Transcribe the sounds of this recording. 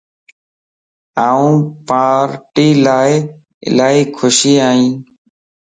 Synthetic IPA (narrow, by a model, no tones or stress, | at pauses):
aːũːpaːɾʈiːlaː | ɪ̰laːɦiːkʰʊʃiːaːĩːn